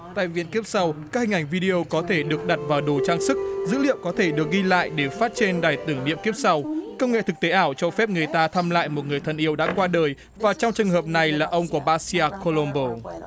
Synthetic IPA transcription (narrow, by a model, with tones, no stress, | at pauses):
t̪a̰ː˧˨jvḭ˧ənki˦˥əp̚sa˧wkaː˦˥k̚hï̟˨˩ʔa˧˩ŋ̟vi˧ɗi˧ʔo˧kɔ˨˦t̪ʰe˧˩ɗɨ˨˩ək̚ɗa˨˩t̚vaː˨˩wɗo˨˩t͡ɕaː˧ŋsɨ˦˥k̚zɨ̰˧˥lḭ˧˨əwŋ͡mkɔ˨˦t̪ʰe˧˩ɗɨ˨˩ək̚ɣi˧la̰ː˧˨jɗe˧˩faː˦˥t̚t͡ɕe˧nɗaː˨˩jt̪ɨ˧˩ŋnḭ˧˨əmki˦˥əp̚sa˧wkə˧wŋ͡mŋḛ˧˨t̪ʰɨ˨˩k̚t̪e˨˦ʔaː˧˩wt͡ɕɔ˧fɛ˦˥p̚ŋɨ˨˩əjt̪aː˧t̪ʰaː˧mla̰ː˧˨jmo˨˩t̚ŋɨ˨˩əjt̪ʰə˨˩nʔi˧˦əwɗa̰ː˧˥kwaː˧ɗəː˨˩j | vaː˨˩t͡ɕwŋ͡mt͡ɕɨ˨˩ŋɦəː˨˩p̚na˨˩jlaː˨˩ʔə˧wŋ͡mku˧˩əɓaː˧si˧aː˧ko˧lo˧mɓo˧˩